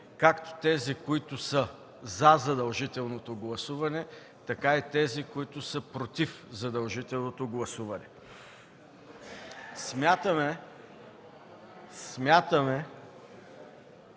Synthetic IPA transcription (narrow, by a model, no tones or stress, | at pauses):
kakt̪o̥t̪ɛzikoit̪ʊsə | zɐzɐd̪ɐlˠʒit̪ɛlˠnot̪oɡlˠɐsuvɐnɛ | t̪ɐkait̪ɛzikoit̪ʊsəpɾot̪ifzɐd̪ɐlˠʒit̪ɛlˠnot̪oɡlˠɐsuvɐnɛ | smʲjat̪əmɛ | smʲjat̪əmɛ